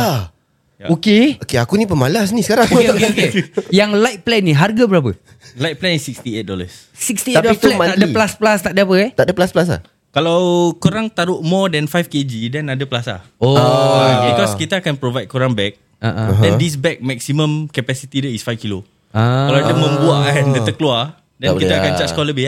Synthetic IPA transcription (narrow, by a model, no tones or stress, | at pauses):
a | jaokeokeakunĩp̬əmalasnisəkaɾaŋokokejaŋlajt̪̚plɛnĩɦarɡabəɾap̬ə | lajt̪̚plɛnisːik̚st̪iet̪̚dɔləs | sikst̪iadplmaaʔdəplasplast̪aʔdəapət̪aʔdəplasplasa̰h | kalawkuɾaŋt̪aɾʊʔmɔdɛnfajfked͡ʒidɛnadəplasla̰ho | bikɔskit̪əːkanpɾovajd̚koɾaŋbɛk̚ | aʔdɛ̃ndis̬bɛk̚mɛk̚simə̃mkapɛsit̪idəisfajfkilo | akalawadəmə̃mbuaʔaɦɛndət̪əklua | dɛnit̪aakant͡ʃaʔskɔləbi